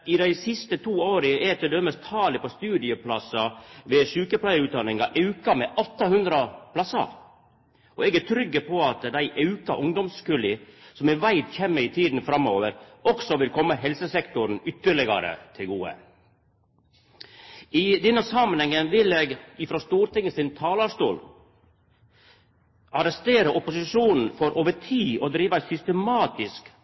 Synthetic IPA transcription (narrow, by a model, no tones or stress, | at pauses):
ɪd̪æɪsɪst̪ət̪ʰuːoːɾɪʔɛt̪ʰəd̪ɛməst̪ʰɑːləpɔst̪ʉːd̪ɪəpʰlɑsɑʋɛʃʉːkəpʰlæɪʉːt̪̚d̪ɑnɪŋɑʔɑʉkɑmeːʔɔt̪ːɑhʉnd̪ɾɑpʰlɑsɑ̰ | ʔɔɛɡæt̪ʰɾʏɡːəpʰɔɑt̪d̪æɪʔɑʉkɑ̰ʔʊŋd̪ɔmskʉlɪsɔmɛʋæɪd̪çɛmːəɾɪt̪ʰiːd̪n̩fɾɑmoːʋəɾɔksɔʋɪlkʰɔmːəɦɛlsəsɛkt̪ʊɾn̩ʏt̪ːəɭɪɡɑ̰ɾə̰t̪ʰɪlɡuːə̰ | ɪd̪ɛnːəsɑmənhɛŋənʋɪleːɡɪfɾoːst̪uːɾt̪ɪŋːəsɪnt̪ʰɑːlɑʂt̪uːl | ɑɾɛst̪eːɾəʔɔpʊsɪʂuːnn̩fɔɾʔoːʋəʈʰiːɔd̪ɾiːʋəsʏst̪əmɑːt̪ɪsk